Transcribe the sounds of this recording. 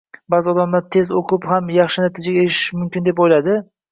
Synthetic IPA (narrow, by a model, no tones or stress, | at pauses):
bazɪɒd̪amlaɾt̪ʰe̞zoqʰɨphamjɑχʃɪnat̪ʰid͡ʒaɡʲaeɪ̥ʃmʊmkʲɪnd̪e̞pojlad̪ɪ